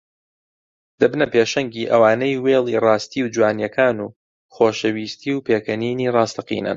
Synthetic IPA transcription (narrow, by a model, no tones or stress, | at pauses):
d̪̥ɐbnɐpeːʃɐŋɡiːʔɐwaːnejweːlˠiːrɑːst̪iwd͡ʒwaːnjɐkʰaːnuː | xoːʃɐwiːst̪iːwpʰeːkɐniːniːrɑːst̪ɐqḭːnɨ̰n